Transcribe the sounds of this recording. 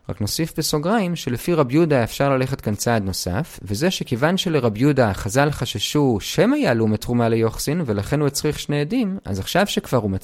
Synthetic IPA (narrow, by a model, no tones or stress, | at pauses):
ʁa̰kno̞sifbeso̞ɡʁaimʃelefiʁabjudaefʃaʁlaleχe̞tkant͡saːd̪no̞sa̰fvezeʃekevanʃe̞leʁabjudaχazalχaʃaʃuʃemajalumetʁumalejo̞χsinve̞laχe̞nhuet͡sʁiχʃneedima̰zaχʃavʃekv̥aʁuma